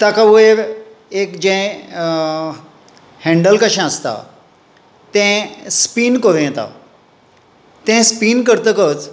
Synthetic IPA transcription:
t̪akʰaue | eːkd͡ʑẽ | hɛ̃ɳɖəlkəʃãəst̪a̰ | t̪ẽspiːnkoɾĩt̪a̰ | t̪ẽspiːnkəɾt̪əkət̪

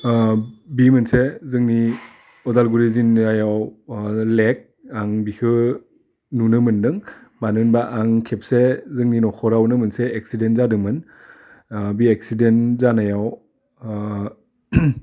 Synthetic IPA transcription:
bimɯnsezɯŋni | ɔdalɡuɾizinajaw | lek̚ | aŋbikʰɯ | nunɯmɯndɯŋbanɯnbaʔaŋkʰep̚sezɯŋninɔkʰɔɾawnɯmɯnseek̚sidenzadɯmɯn | biek̚sidenzanajaw

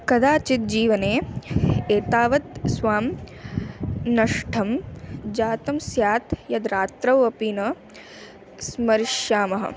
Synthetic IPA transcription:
kɐd̪aːt͡ʃit̪̚d͡ʒiːʋɐneː | eːt̪aːʋɐt̪sʋaːm | nɐʂʈʰɐmd͡ʒaːt̪ɐmsjaːt̪jɐd̪ɾaːt̪ɾɐʋɐpiːnɐ | smɐɾɪʃjaːmɐɦɐ̰

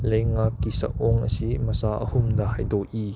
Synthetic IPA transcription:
lejŋakːisɐ̰ʔɔŋə̰simɐsaːʔə̰hʊmd̪ahɐjd̪ɔʔi

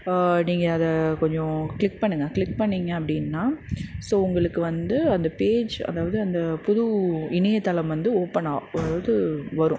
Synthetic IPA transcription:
niːŋɡɐːðɐkɔɲd͡ʒɔ̃kɭɪk̚pɐɳːɯŋɡɐkɭɪk̚pɐɳːiːŋɡɐɐpːɐɽɪnːaːsoːʊŋɡɐɭɯkːɯʋɐnd̪ɯɐnd̪ɐpeːd͡ʒɐ̰ðaːʋɐðɯɐnd̪ɐpʊðuɪnɐjɐt̪ːɐlɐmʋɐnd̪ɯoːpːɐɳaːʋɐðɯʋɐɾʊ̃

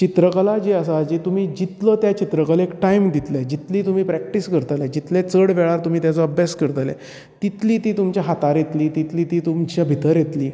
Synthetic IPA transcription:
t͡ɕit̪ɾəkəlad͡ʑeəsad͡ʑit̪um̤iːd͡ʑit̪ləːt̪jat͡ɕit̪ɾəkəlekʈajmd̪it̪lad͡ʑit̪liːt̪um̤iːpɾækʈiskəɾt̪əlɛd͡ʑit̪let͡səɽʋɛɭaɾt̪um̤iːt̪jat͡sɔəbʱjaskəɾt̪alɛ̰ | t̪it̪liːt̪iːt̪umt͡ɕjaɦat̪aɾjet̪liːt̪it̪liːt̪iːt̪umt͡ɕjabʱit̪əɾjet̪liː

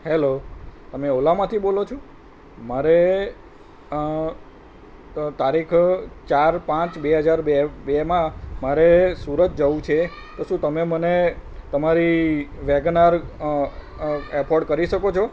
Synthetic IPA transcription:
helot̪əmeolamãt̪ʰibolot͡ʃʰõ | maɾe | t̪aɾikʰt͡ʃaɾpãt͡ʃbeɦəd͡ʒaɾbebemãmaɾesuɾət̪̚d͡ʒəʋũt͡ʃʰe | t̪oʃũt̪əmemənet̪əmaɾiʋeɡnaɾ | ɛpʰoɖkəɾiʃəkot͡ʃʰo

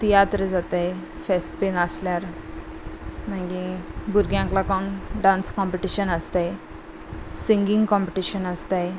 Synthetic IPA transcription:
t̪ijat̪ɾəd͡zat̪aj | fesʈpenəsljaɾ | maɡibuɾɡjãŋklakɔnɖãnskɔ̃mpeʈiɕənəst̪aj | sĩŋɡĩŋɡkɔ̃mpeʈiɕənəst̪aj

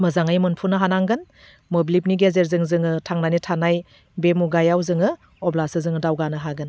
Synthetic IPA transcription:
mɐzaŋajmɯnpʰunɯɦanaŋɡɯn | mobilip̚niɡezeɾzɯŋzɯŋɯtʰaŋnanitʰanaj | bemuɡajawzɯŋɯ | ɔblasɯzɯŋɯdawɡanɯɦaɡɯn

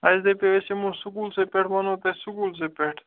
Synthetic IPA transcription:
ɐsd̪epeʋesemũːsʊkuːlsepeʈʰmɐnõːt̪ɐsukuːls̬eːpeʈʰ

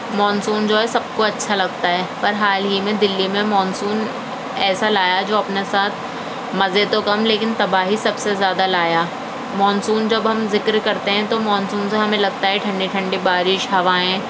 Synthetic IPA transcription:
mɔːnsuːnd͡ʒoːɦɛsɐb̚koɐtːʃʰalɐɡt̪aɦɛːpɐɾɦaːlɦimẽd̪ɪlːimẽmɔːnsuːn | ɛːsalaːjad͡ʒoːɐpnesaːt̪ʰ | mɐzet̪okɐmleːkɪnt̪ɐbaːɦisɐbsezjaːd̪alaːjaː | mɔːnsuːnd͡ʒɐbɦɐmzɪkɾkɐɾt̪eɦɛ̃t̪omɔːnsuːnseɦɐmẽlɐɡ̚t̪aɦɛʈʰɐ̃ɳɖiʈʰɐ̃ɳɖibaːɾɪʃɦɐʋaːɦɛ̃ː

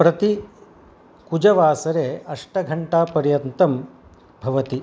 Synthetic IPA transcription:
pɾɐt̪i | kud͡ʒɐʋaːsɐɾeːɐʂʈɐɡʱɐɳʈaːpɐɾjɐnt̪ɐm | bʱɐʋɐt̪i

